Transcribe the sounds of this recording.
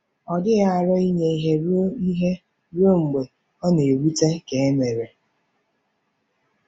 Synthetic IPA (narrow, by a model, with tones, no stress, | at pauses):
ɔ˨dɪ˦ɣa˦a˨ɾɔ˦i˦ɲe˨i˦ɦe˦ɾo˦i˦ɦe˦ | ɾo˦ŋ͡m̩˨ɡ͡be˨ | ɔ˦ne˨e˨wu˦te˦ke˨e˦me˨ɾe˨